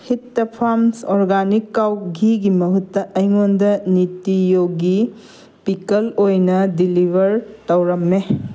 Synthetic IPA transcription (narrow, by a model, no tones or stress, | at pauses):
hitːɐpʰamsoɾɡanikːawɡiɡimɐɦutːɐʔɐjŋondɐnitijoɡi | pikɐlojnɐdilibʱɐɾtɐwɾɐmːe